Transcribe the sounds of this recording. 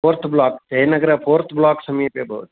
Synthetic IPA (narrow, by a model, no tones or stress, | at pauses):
pʰoːɾt̪ʰblaːkt̪ɐinɐɡɾɐpʰoːɾt̪ʰblaːksɐmiːpebʱɐ̰ʋt̪